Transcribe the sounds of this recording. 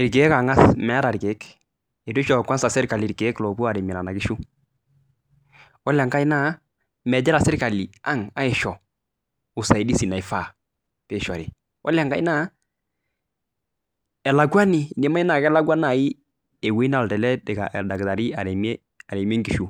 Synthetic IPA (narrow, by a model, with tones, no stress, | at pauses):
ɪ˨ɾke˨˦ka˨ŋa˦smɛ˨a˦ɾa˨ɾke˨˦k | ɛ˨dʊ˦ʃɔ˨kwa˦nsa˨sɪ˦ɾka˨lɪ˨ɾke˨˦klɔ˨bu˦a˨ɾe˨mi˨la˨na˨kɪ˦ʃu˦ | ɔ˦lɛ˨ŋka˦i˦na˦ | mɛ˨d͡ʒɛ˦ɾa˨sɪ˦ɾka˨li˨a˦ŋa˦ɪ˨ʃɔ˨ | ʊ˨sa˨i˨di˦si˨na˨ɪ˨fa˦˨ | pe˦˨ʃa˨ɾi˨ | ɔ̰˦lɛ˨ŋka˦i˦na˦ | ɛ˨la˨ɡwa˦ni˦˨dɛ˦ma˦i˦na˨kɛ˦la˦ɡwa˦na˨i˦ | e˨we˦i˦na˦˨ltɛ˨lɛ˦dɛ˨ka̰˨da˨ɡta˨ɾi˦a˨ɾe˨mɛ˦ | a˨ɾe˨m˦e˦ŋɡi˨ʃu˦